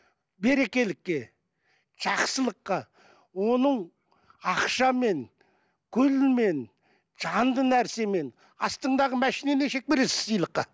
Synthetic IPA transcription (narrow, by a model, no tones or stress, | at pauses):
be̞ɾe̞kʲe̞lɪkʲːe̞ | ʒ̥ɑqsəlˠəqːɑ | wo̞nəɴ | ɑqʃɑme̞ŋ | kʲʰʏlme̞n | ʒ̥ɑnd̪ənæɾse̞me̞n | ɑst̪əɴd̪ɑʁəmæʃine̞neʃe̞k̚pe̞ɾe̞sɪ̥sijlˠəqːɑ